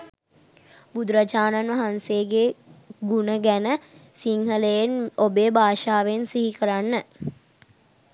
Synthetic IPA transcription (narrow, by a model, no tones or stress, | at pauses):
bud̪ɾat͡ʃaːnanʋɐɦanseːɡeɡunəɡænəsiŋhələjenobeːbaːʃaːʋensiɦikəɾanːə